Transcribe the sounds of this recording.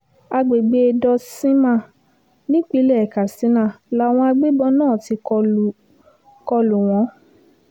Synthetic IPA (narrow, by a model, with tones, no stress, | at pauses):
a˧ɡ͡be˨ɡ͡be˧e˧dɔ˧sĩ˦mã˦˨ | nĩ˦k͡pi˦lɛ˦˨ka˨sĩ˨˦nã˦˨la˦w̃ɔ̃˧a˧ɡ͡be˦bɔ˧nãː˦˨ti˧ | kɔ˧lu˨w̃ɔ̃˨˧˦